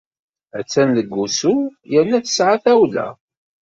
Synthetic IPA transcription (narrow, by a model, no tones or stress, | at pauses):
æt͡sːænləɡʷːusujənːæθə̥sʕaθæwlæ̰